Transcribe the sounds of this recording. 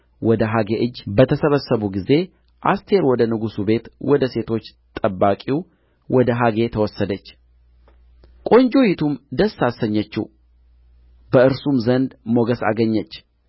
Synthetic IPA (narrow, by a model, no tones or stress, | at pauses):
wɔd̪əɦaɡeʔɨd͡ʒːbət̪ʰəsəβəsːəβuɡize̞ | ʔa̰st̪ʰe̞ɾwɔd̪ənɨɡusube̞t̪wɔd̪əse̞t̪ʰo̞t͡ʃː | t̪ʼəbːakʼiw | wɔd̪əɦaɡe̞t̪ʰəwɔsːəd̪ət͡ʃː | kʼo̞ɲd͡ʒo̞jit̪ʰumd̪əsːasəɲːət͡ʃːḭ | bəɨɾsumzənd̪mo̞ɡəsa̰ɡəɲːət͡ʃː